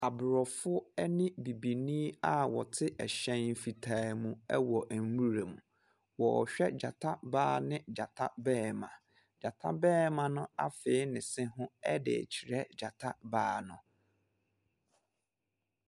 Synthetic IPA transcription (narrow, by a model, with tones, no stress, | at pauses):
a˨bʊ˨ɾɔ˨fʊ˦ɛ˦nɪ̃˦bi˨bi˨nĩ˦a˦wɔ̰˨tʰɪ˦ʔɛ˨ɕɛ̃˦nm̩˦fi˨tʰa˦mũ˦ɛ˦wɔ˨ʔæ˨m̩˦wu˦ɾe˨mũ˨ | wɔ˨ɔ˨ɕᶣɛ˦d͡ʑa˨tʰa˦baː˦nɪ̃˦d͡ʑa˨tʰa̰˦bɛː˦mã̰˨ | d͡ʑa˨tʰa˦bɛː˦mã˨nʊ̃˦a˦fɪ˨˦ɪ˦nɪ̃˨sɪ̃˦ɦʊ̃˦ɛ˦dɪ̰˨t͡ɕʰi˨ɾɛ˦d͡ʑa˨tʰa˦baː˦nʊ̃˨